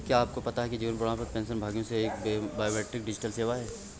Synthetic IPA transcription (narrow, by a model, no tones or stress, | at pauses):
kjaːp̚kopɐt̪aɦɛkid͡ʒiʋənpɾoɽãpɐɾpɛ̃ːnsənbʱaːɡjõseeːkbbaːjomeːʈɾɪk̚ɖɪd͡ʒɪʈəlseːʋaɦɛː